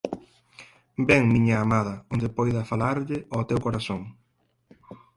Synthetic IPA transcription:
bɛŋmiɲɐːmaðɐond̪ɪpɔjðɐfalaɾʎɪot̪ewkoɾasoŋ

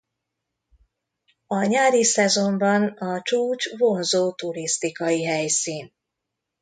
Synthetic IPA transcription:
ɒɲaːɾisɛzo̞mbɒnɒt͡ʃuːt͡ʃvo̞nzoːt̪uɾist̪ikɒjiɦɛjsiːn

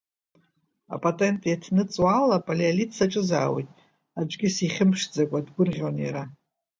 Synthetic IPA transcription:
a̰pʼotʼe̞ntʼjatʰnɨt͡sʼwalapʼalialitʰsaʈ͡ʂʼɨza̰ːwḛtʼ | ad͡ʒʷɡʲɪsiχʲɪmʂd͡zakʷʼadɡʷʊrʁʲonjaɾa

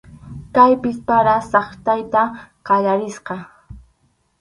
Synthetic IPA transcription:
kajpɪspaɾasɑχt̪ajt̪aqɑʎaɾɪsqɑ

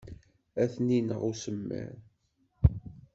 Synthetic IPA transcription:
æθninəʁusəmːə̰ɾ

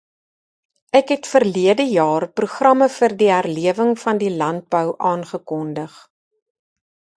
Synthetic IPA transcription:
ʔækɦɛtfərliədəjɑːrpruχrɐməfərdiɦærliəvəŋfɐndilɐnt̚bəwʔɑːnχəkɔndəχ

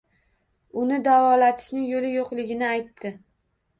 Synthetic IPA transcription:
ʊnɪd̪avɒlat̪ʰɪ̥ʃnɪŋjolɪjoqlɪɡʲɪnɪajt̪ʰːɪ

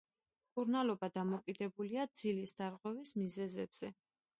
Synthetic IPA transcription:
mkʼuɾnalɔbad̪amɔkʼid̪ɛbuliad̪z̥ilisd̪aɾʁwɛvismizɛzɛb̥z̥ɛ

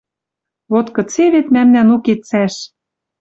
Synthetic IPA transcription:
βot̪kɤ̆t͡seβet̪mæmnænuket̪t͡sæʃ

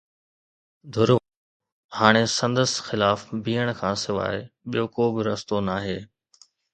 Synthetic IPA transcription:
d̪ʱʊɾ | haːɽ̃esɐ̃nd̪əsxɪlaːfbʱiːəɽ̃kʰãːsɪʋa̰ːɪɓijokoːbɪɾɐst̪onaːɦeː

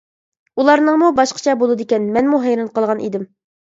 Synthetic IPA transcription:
ulˠɑɾnəŋmubɑʃqʰə̥t͡ʃʰɛbolˠɨd̪ɪkʲɛnmɛnmuɦɛjɾɑnqəlˠʁɑnʔḭd̪ɪm

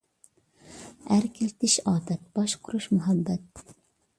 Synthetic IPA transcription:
æɾkʲʰilt̪ɪʃɑːt̪ɛt̪̚b̥ɑʃqʰʊɾuʃmuɦɛbːɛt̪

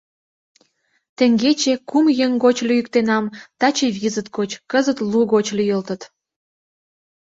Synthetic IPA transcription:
t̪ĕŋɡet͡ɕekumjəŋɡot͡ɕlyjyk̚t̪enɑmt̪ɑt͡ɕeβizət̪̚ɡot͡ɕkəzət̪luɣot͡ɕlyjəlt̪ət̪

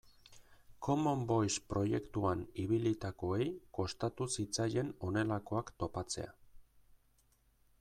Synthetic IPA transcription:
ko̞mo̞mbojspɾo̞je̞kt̪uaniβilit̪ako̞e̞jko̞st̪at̪usit͡saje̞no̞ne̞lako̞akt̪o̞pat͡se̞̰a̰

